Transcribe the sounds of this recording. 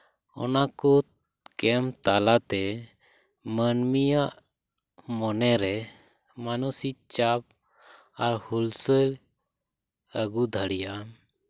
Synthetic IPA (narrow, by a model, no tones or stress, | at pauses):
ɔ̰naku | kɛmt̪alat̪ɛ | mənmijaʔ | mɔnɛɾɛ | manusit͡ʃap̚ | aɾhulsəl | əɡud̪ʱəɽija